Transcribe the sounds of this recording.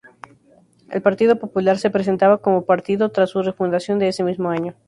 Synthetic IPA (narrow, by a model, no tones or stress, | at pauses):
e̞̰lpaɾt̪iðo̞po̞pulaɾse̞pɾes̬e̞nt̪aβako̞mo̞paɾt̪iðo̞t̪ɾasːure̞fund̪asjo̞nd̪eese̞mizmo̞aɲo̞